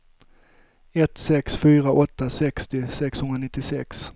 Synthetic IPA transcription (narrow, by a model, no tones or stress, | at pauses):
ɛt̪sɛksfyːɾaʔɔt̪ːasɛkst̪ɪsɛkshɵnɾanɪt̪ːɪsɛks